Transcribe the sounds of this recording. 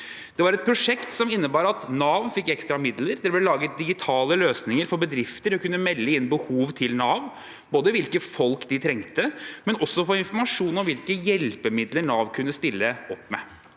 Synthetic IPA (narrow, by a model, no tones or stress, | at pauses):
d̪̥ɛʋɑɾɛt̪̚pʰɾʊʂɛkt̪sɔmɪnːəbɑːɾɑt̪nɑːʋ̪fɪkːɛkst̪ɾɑmɪd̪ləɾd̪ɛblɛlɑːɡət̪̚d̪ɪɡɪt̪ʰɑːləløːsnɪŋəɾfɔɾbəd̪ɾɪft̪əɾɔkʉnːəmɛlːəɪnbəhuːʋt̪ʰɪlnɑːʋ | boːd̪əʋɪlkəfɔlkd̪ɪt̪ʰɾɛŋt̪əmɛnɔsːɔfɔɪnfɔɾmɑʂuːnɔmʋɪlkəjɛlpəmɪd̪ləɾɳɑːʋkʰʉnːəst̪ɪlːəɔpːmɛ̰